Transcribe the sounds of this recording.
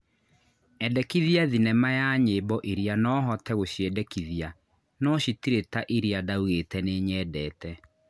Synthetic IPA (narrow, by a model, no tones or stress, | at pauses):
ɛdɛkiðiaðinɛmajaɲeːbɔʔiɾianɔːɦɔtɛɣoɕjɛdɛkiðia | nɔɕitiɾetaʔiɾiadauɣetɛneɲɛːdɛːtɛ